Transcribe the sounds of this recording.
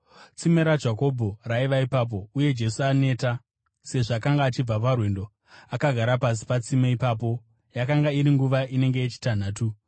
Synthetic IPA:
t͡simeɾad͡ʒako̞bʱoraiʋaipap̬o̞uje̞d͡ʒe̞suane̞ːta | se̞ʐakaŋɡaːt͡ʃib͡vap̬arwe̞ndo̞ | akaɡʱaɾapas̬i̥pat͡simeipaːp̬o̞ | jakaŋɡaiɾiŋɡuʋaʔine̞ŋɡe̞et͡ʃi̥tan̤aːtu

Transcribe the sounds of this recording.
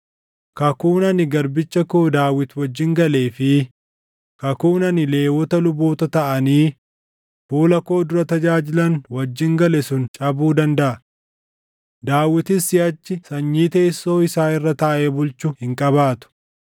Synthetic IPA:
kɐkuːnɐnɪɡɐɾbɪt͡ʃːɐkoːd̪aːwɪt̪wɐd͡ʒːɪŋɡɐle̞ːfɪ | kɐkuːnɐnɪle̞ːwɔt̪ɐlʊboːt̪ɐt̪ɐʔɐniː | fuːlɐko̞ːd̪ʊɾɐt̪ɐd͡ʒaːd͡ʒɪlɐnwɐd͡ʒːɪŋɡɐlɛsʊnt͡ʃʼɐbuːd̪ɐnd̪ɐʔɐ | d̪aːwɪt̪ɪsːɪɐt͡ʃːɪsɐɲːiːt̪eːsːo̞ːɪsaːɪrːɐt̪ɐʔeːbʊlt͡ʃʊhɪŋkʼɐβaːt̪ʊ̥

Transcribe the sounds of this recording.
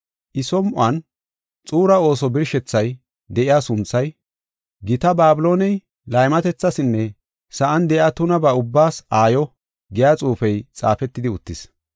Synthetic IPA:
ʔɪsɔmʔʊɐn | t͡sʼuːɾɐo̞ːsɔbɪɾʃɛt͡sːɐj | d̪ɛʔɪjaːsʊnt͡sːɐj | ɡɪt̪ɐbaːbɪlo̞ːnɛj | lɐjmɐt̪ɛt͡sːɐsɪnːɛ | sɐʔɐnd̪ɛʔɪaːt̪ʊnɐbɐʊbːaːsaːjɔ | ɡɛjaːt͡sʼuːfɛjt͡sʼa̰ːfɛt̪ːɪd̪ɪʊt̪ːɪs

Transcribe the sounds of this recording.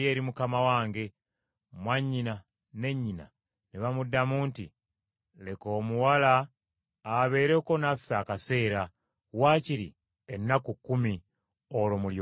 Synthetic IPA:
e̞ːɾimukamawaːŋɡe̞ | mwaɲːina | ne̞ɲːina̰ | neβamudːamuːnti | le̞ko̞ːmuwalaː | βe̞ːɾe̞ko̞nafaːkase̞ːɾa | waːciɾi | enːakukːumi | olomulj

